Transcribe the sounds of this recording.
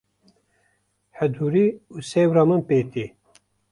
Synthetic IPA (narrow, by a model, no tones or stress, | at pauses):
hɛd̪uːɾiuːseːwɾɑːmɨnpeːt̪i